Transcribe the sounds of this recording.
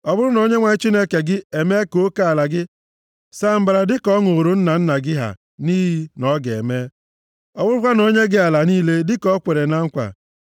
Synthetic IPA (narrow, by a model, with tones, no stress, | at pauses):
ɔ˨bʊ˦ɾʊ˦no˨˦ɲe˦ŋʷa˨˦t͡ʃi˦ne˦ke˨ɡɪ˦e˨me˦ko˦ka˦a˨la˨ɡɪ˦ | sa˦m̩˨ba˨ɾa˨dɪ˦kɔ˦ŋo˨ɾo˦n̩˦na˨n̩˦na˨ɡɪ˦ɦa̰˨ | niː˦ɦi˦nɔ˦ɡḛ˨me˦ | ɔ˨bʊ˦ɾʊ˦kʷa˦no˦ɲe˦ɡɪ˦a˨la˨niː˦le˦dɪ˦kɔ˦kʷe˨ɾe˨na˦ŋ̩˦kʷa̰˨